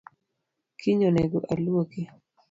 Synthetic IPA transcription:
kʰiɲoneɡoʔalwoki

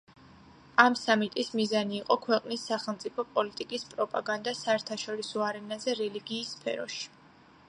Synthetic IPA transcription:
amsamit̪ʼismizaniːqʼɔkʰwɛqʼnisːaχɛlˠmt̪sʼipʰɔpʼɔlit̪ʼikʼispʼɾɔpʼaɡand̪asaɛɾt̪ʰaʃɔɾisɔaɾɛnazɛɾɛliɡiːsːpʰɛ̰ɾɔ̰ʃi̥

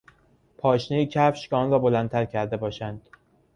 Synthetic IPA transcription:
pʰɒːʃnejicʰæfʃcɒːnrɒːbolænt̪ʰæɾcʰæɾd̪e̞bɒːʃænd̪̥

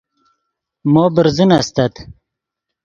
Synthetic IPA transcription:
moːbəɾzunast̪ɐt̪

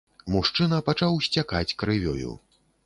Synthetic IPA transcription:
muʂt͡ʂɨnɐpat͡ʂawsʲt͡sʲaka̰t͡sʲkɾɨvʲɔ̰jṵ

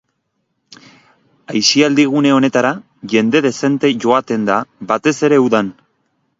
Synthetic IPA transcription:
ajsiald̪iɣ̞une̞o̞ne̞t̪aɾa | ʝe̞nd̪e̞ð̞e̞se̞nt̪e̞ʝo̞at̪e̞nd̪aβat̪e̞se̞ɾe̞uðan

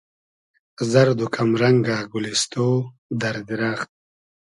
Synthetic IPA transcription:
zaɾd̪ukʰamɾaŋɡaɡulist̪oː | d̪aɾd̪iɾaːχt̪̚

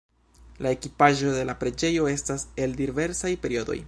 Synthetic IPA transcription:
lae̞kipaʒo̞de̞lapɾe̞d͡ʒe̞jo̞e̞stase̞ldive̞ɾsajpe̞ɾio̞do̞̰j

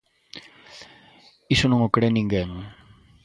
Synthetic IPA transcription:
isonoŋokɽeniŋɡeŋ

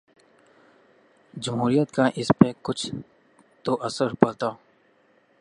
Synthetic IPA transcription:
d͡ʒɐmɦuːɾijət̪kaʔɪspekʊt͡ʃʰ | t̪oʔɐsəɾpɐlt̪aː

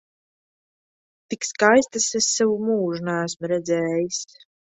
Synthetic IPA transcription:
t̪ikskajst̪asesːavumuːʒunæːæsmɾɛd̪zɛːjis

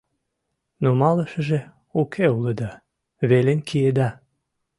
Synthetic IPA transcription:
nomɑlə̆ʃə̆ʒe | ukʰeuləd̪ɑ | βelenkʰied̪ɑ

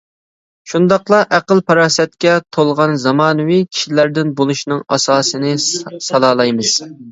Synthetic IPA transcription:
ʃund̪ɑqlˠɑʔæqəlˠpʰɑɾɑːsɛt̪̚kʲɛt̪ʰolˠʁɑnzɑmɑːnɨwikʲʰi̥ʃilæɾd̪ɪnbolˠuʃnɨŋɑ̰sɑːsɨnɨsɑlˠɑːlˠɑjmɨz̥

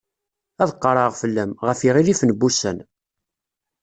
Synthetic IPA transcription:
æðəqːɾˤɑʁfəlːæmʁəfiʁilifnəbːusæ̰n

